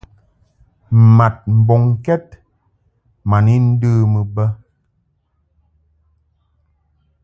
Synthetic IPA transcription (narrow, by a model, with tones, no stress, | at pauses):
m̩˨ma˨t̚m̩˨bɔ˨ŋkɛ˦t̚ | ma˨ni˦n̩˦də˦mə˨bə˦